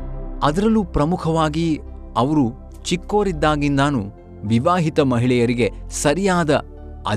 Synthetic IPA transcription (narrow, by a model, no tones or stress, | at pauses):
ɐd̪ɐɾɐlːupɾɐmukʰɐʋaːɡi | ɐʋɐɾu | t͡ʃikːo̞ːɾid̪ːaːɡind̪aːnu | ʋiʋaːɦit̪ɐmɐɦiɭɛjɐɾiɡe̞sɐɾijaːd̪ɐ | ɐ̰